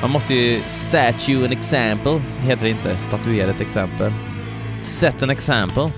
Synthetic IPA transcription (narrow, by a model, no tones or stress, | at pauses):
manmɔst̪əjɵst̪ætʉɛnɛksæmpəlɦeːt̪əɖɪnt̪ʰəst̪at̪ʉeːɾaɛt̪ɛksɛmpəl | sɛt̪ːɛnɛksæmpəl